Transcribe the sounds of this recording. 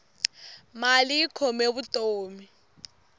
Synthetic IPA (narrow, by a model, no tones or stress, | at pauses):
malikʰɔmeβutʼoːmi